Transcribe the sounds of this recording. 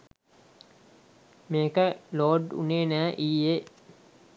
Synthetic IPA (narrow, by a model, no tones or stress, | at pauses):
meːkəloːɖṵneːnæːʔiːe